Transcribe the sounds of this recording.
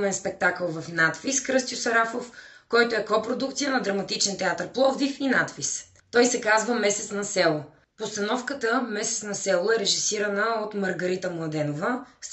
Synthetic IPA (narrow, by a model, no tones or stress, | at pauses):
mɛnspɛk̚t̪akəlˠvɐfnat̪fiskɾɤst̪jʊsɐɾafof | kɔjt̪oɛkɔpɾod̪ukt̪sijənɐd̪ɾɐmɐt̪it͡ʃɛnt̪ɛat̪əɾplˠɔvd̪ifinat̪fis | t̪ɔjsɛkazvəmɛsɛt̪snɐsɛlˠo | post̪ɐnɔfkət̪əmɛsɛt̪nɐsɛlˠoɛɾɛʒisiɾɐnəot̪mɐɾɡɐɾit̪əmlˠɐd̪ɛnovəs